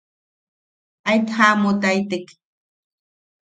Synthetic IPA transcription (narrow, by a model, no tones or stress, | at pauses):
ajt̪hamot̪ajt̪ek